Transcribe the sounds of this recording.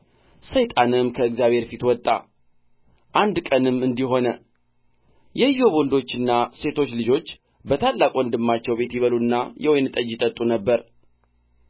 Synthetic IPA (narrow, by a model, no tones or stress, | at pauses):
səjt̪ʼanɨmkʰəɨɡzjaβhe̞ɾfit̪wɔt̪ʼːa̰ | ʔand̪kʼənɨmːɨnd̪iɦo̞nə | jɛjo̞βo̞nd̪o̞t͡ʃːɨnːase̞t̪ʰo̞t͡ʃːlɨd͡ʒo̞t͡ʃː | bət̪ʰalːakʼoɨnd̪ɨmːat͡ʃːɛwbe̞t̪jiβəlunːajɛwɔjnɨt̪ʼəd͡ʒɪt̪ʼət̪ʼːunəbːəɾ